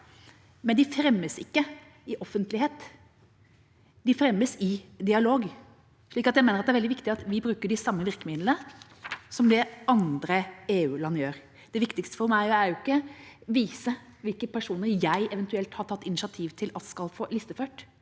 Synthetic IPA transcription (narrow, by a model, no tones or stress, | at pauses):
mɛnd̪ɪfɾɛmːəsɪ̰kːə | ɪʔɔfːənt̪lɪheːt̪ | d̪ɪfɾɛmːəsɪd̪ɪɑloːɡ | ʂɭiːkɑt̪jæɪmeːnɾɑt̪d̪ɛæɾʋɛld̪ɪʋɪkt̪ɪɑt̪ʋɪbɾʉːkəɖɪsɑmːəʋɪɾkəmɪd̪l̩ə | sɔmd̪ɛʔɑnd̪ɾəeːʉːlɑnːjøːɾ | d̪ɛʋɪkt̪ɪkst̪ə̥fɔɾmæɪæɾjʊɪkːəʋiːsə | ʋɪlkəpæʂuːnəɾjæɪʔɛʋɛnt̪ʉɛlt̪hɑʈʰɑt̪ːɪnɪʃɪɑt̪ʰiːʋt̪ʰɪlʔɑt̪skɑlfoːlɪst̪əføːʈ